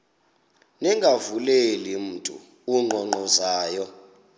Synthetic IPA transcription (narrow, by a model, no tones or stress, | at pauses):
nɛŋɡʱavulelim̩ːtʼṵ | uŋ͡ǃɔŋ͡ǃɔzaːjɔ